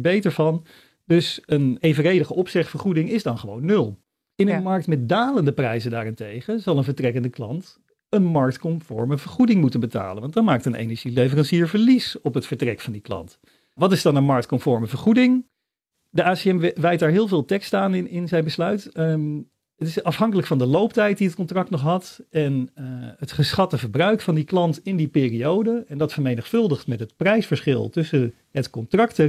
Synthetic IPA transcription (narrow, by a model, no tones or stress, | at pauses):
bejtəɹvɑn | dɵsənejvərejdəχəʔɔpsɪχtfəɹχudɪŋɪzdɑnχəʋo̰wnːɵlˠ | ɪnənmɑɹk̚tmɛt̚daːləndəprɛjzəndaːrɪntejχəzɑlˠənvəɹtrɛkəndəklɑnt | ənmɑɹk̚tkɔmfɔ̰ɹməvəɹχudɪŋmutənbəta̰ːlənʋɑndɑtmaːk̚tənḛjnəɹʒilevərɑnsiːɹvəɹlisɔpɦətfəɹtrɛkfɑndiklɑ̰nt | ʋɑtɪzdɑnənmɑɹk̚tkɔmfɔɹməvəɹχudɪŋ | dəʔaːseɛmʋɛjt̚daːɹɦɪːlˠvɪːlˠtɛkstaːnɪnɪnzɛjnbəslœɥt | ətɪsɑfɦɑŋkələkfɑndəlowptɛjt̚diət̚kɔntrɑk̚tnɔχɦɑtɛnətχəsχɑtəvəɹbrœɥkfɑndiklɑntɪndipɪːriowdəɛndɑtfəɹmejnəχfɵlˠdəχtmɛtɦətprɛjsfəɹsχɪ̰lˠtɵsə | ɦətkɔntrɑk̚tə